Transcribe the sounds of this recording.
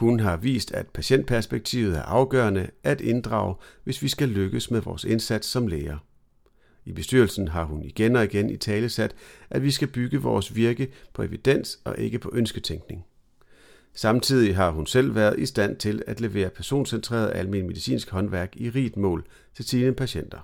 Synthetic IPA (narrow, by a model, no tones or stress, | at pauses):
hunɦɑ̈ʋḭːsd̥æd̥pʰæɕen̰d̥̚pʰæɐsb̥eɡ̥̚t͡sʰḭːʊð̩ˠæɐʔɑ̈ʊɡ̥ɶːɐnəʔæd̥e̝nd̥ʁɑ̰̈ːʊʋe̝sʋisɡ̥æløɡ̥əsmeðˠʋɒ̰ːse̝nsæd̥sːɒ̽mleːɐ | ib̥e̝sd̥yɐlsn̩ɦɑ̈ɦuniɡ̥enɒ̽iɡ̥enit͡sʰɛːləsæd̥ʔædʋisɡ̥æb̥yɡ̥əʋɒːsʋiɐɡ̥əpʰɒ̽e̝ʋid̥en̰sɒ̽ʔe̝ɡ̥əpʰɒ̽ʔønsɡ̥ət͡sʰeŋɡ̥ne̝ŋ | sɑ̈mt͡sʰið̰ˠiɦɑ̈ɦunsel̰ʋæːɐð̞̩ˠisd̥æn̰t͡sʰe̝læd̥le̝ʋe̝̰ːɐpʰæɐso̝̰ːnsent͡sʰʁḛːɐð̞ˠælminme̝ð̞ˠisḭːnsɡ̥hɒ̽nʋæɐɡ̥iʁḭːd̥mɔ̰̽ːl | t͡sʰe̝lsʰiːnəpʰæɕen̰d̥ɐ